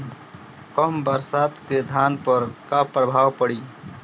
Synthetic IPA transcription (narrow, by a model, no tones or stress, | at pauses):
kɔmbəɾsaːt̪ked̪ʱaːnpəɾkapɾəbʱaːwpəɽiː